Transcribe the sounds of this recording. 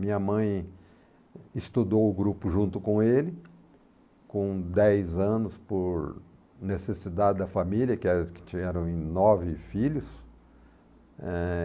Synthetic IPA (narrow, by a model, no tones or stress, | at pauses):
mĩɲɐmɐ̃j̃ | ɪst̪ud̪owʊɡɾupʊʒũnt̪ʊkõelɪ | kõd̪ɛjzɐ̃nʊspoɾ | nesesid̪ad͡ʒɪd̪ɐfamiljɐkɪɛɾkɪ̥t͡ʃĩɛɾɐ̃w̃ẽj̃nɔvɪfiʎʊs | ɛ